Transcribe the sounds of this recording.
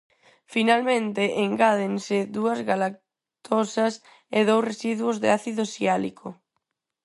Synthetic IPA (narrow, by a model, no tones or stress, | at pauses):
finalmẽnt̪eʔeŋɡaðenseðuɐzɣalak̚ | t̪ʰosɐs | eðowsresiðwozðeaθiðosialikʰo